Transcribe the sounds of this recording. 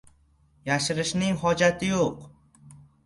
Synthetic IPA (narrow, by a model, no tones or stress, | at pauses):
jaʃɾɪʃnɪŋhod͡ʒat̪joq